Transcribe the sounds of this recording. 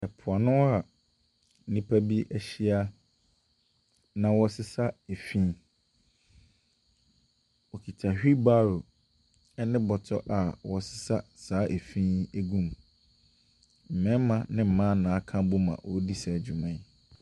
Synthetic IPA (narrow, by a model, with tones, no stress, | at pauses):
ɛ˨pʰʊ˨a˨nʊ̃˦a˨˦ | nĩ˦pʰa˦bi˦ʔæ˦ɕi˦a˦ | nã˨wɔ˨sɪ˦sa˦e˨fĩ˦ | wɔ˨kʰi˨tʰa˨hᶣi˦ba˦ɾo˨ | ɛ˦nɪ̃˦bɔ˨tʰɔ̰˦ʔa˨wɔ˨sɪ̥˨sa˦saː˦ʔe˨fĩ˦e˦ɡũ˦m | m̩˨mɛ̃˦m˦mã˨nɪ̃˦m̩˨mã˦nã˨˦kʰã˦bo˦mã̰˨wʔɔ˨˦di˦sa˨d͡ʑᶣu˨mã˨